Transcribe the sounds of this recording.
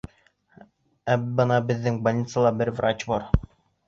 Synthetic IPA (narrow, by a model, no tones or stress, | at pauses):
æbɤnɑbɘ̆ðːɘŋbɐlʲit̪səlˠɑbɘɾvrat͡ɕbɒɾ